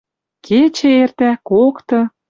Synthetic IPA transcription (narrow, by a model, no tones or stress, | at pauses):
kʰet͡ɕĕert̪ækokt̪ɤ̆